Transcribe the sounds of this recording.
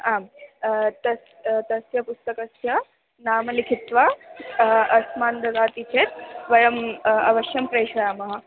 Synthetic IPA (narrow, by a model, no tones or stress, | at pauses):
aːm | t̪ɐs | t̪ɐsjɐpust̪ɐkɐsjɐ | naːmɐlikʰit̪ʋaː | ɐsmaːnd̪ɐzaːt̪it͡ʃʰeːt̪̚ʋɐjɐmɐ̰ʋɐʃjɐmpɾɐjʃɐɾaːmɐɦɐ̆